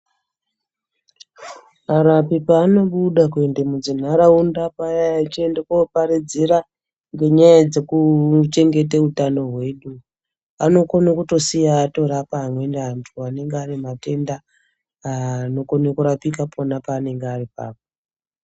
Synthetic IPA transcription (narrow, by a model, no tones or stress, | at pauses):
aɾapipaːno̞ɓuɗakwe̞ndemud͡zin̤aɾaundapajajat͡ʃiendekopaɾid͡zeɾa | ŋɡe̞ɲajad͡ze̞kut͡ʃe̞ŋɡe̞t̬eutano̞ɦwe̞ːɗu | ano̞konakuto̞sijaːto̞ɾapaɦːmwe̞ndeɦantʰuane̞ŋɡearimate̞ndaː | no̞konekuɾapikapʰo̞napaːne̞ŋɡearipa̰ːp̚o